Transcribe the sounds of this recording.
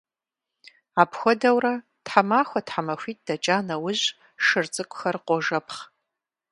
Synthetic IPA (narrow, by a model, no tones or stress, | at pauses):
aːpʰxʷɔdɐwrɐ | tħamaːxʷɔtħamɐxʷiːt̚ʼd̥ɐt͡ʃʼaːnɐwʊʑ | ʂɨrt͡sʼɨkʷʼʊxɐrqʷʼɔʒɐpʰχ